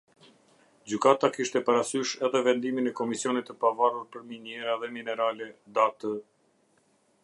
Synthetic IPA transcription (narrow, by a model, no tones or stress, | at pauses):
d͡ʑykat̪akiʃt̪ɛpaɾasyʃɛðɛvɛnd̪iminɛkɔmisiɔnit̪əpavaruɾpəɾminjɛɾaðɛminɛɾalɛd̪at̪ə